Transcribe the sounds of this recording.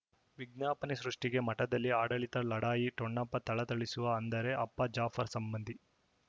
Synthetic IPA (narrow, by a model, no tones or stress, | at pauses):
ʋiɡ̚njaːpɐnisɾuʂʈiɡe̞mɐʈɐd̪ɐlːiaːɽɐɭit̪ɐlɐɽaːjiʈɔɳːɐpːɐt̪ɐɭɐt̪ɐɭisuʋɐːnd̪ɐɾe̞ʔɐpːɐd͡ʒaːfʰɐɾsɐmbɐnd̪ʱi